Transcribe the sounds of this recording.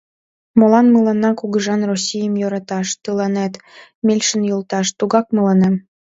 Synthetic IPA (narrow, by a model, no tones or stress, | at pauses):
molɑnməlɑnɑkuɣə̆ʒɑnrosʲijəmjoɾɑt̪ɑʃt̪ɯlɑnet̪ | mʲelʲʃənjolˠt̪ɑʃt̪uɣɑk̚mɤlɑnem